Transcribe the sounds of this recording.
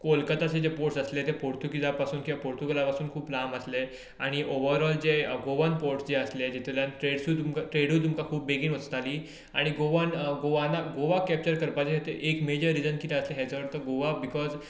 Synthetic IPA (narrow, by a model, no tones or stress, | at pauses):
kolkət̪aɕed͡ʑepoʈsəslet̪epoɾt̪ukid͡zapasuːnkiʋapoɾt̪uɡəlapasuːnkʰuːplaməsle | aɽ̃iʔoʋəɾɔld͡zeɡoʋanpoɾʈsd͡ʑeəsled͡ʑit̪ʰljanʈɾeɽsut̪umkaʈɾeɽuːt̪̬umkakʰuːpːeɡiːnʋət͡st̪aliː | aɽ̃iɡoʋanɡoʋanaɡoʋakɛp̚t͡ɕəɾkəɾpat͡ɕeɦet̪eʔekmed͡ʑəɾːid͡zənkit̪eəsleɦjat͡saʋəɾt̪əɡoʋabikɔd͡z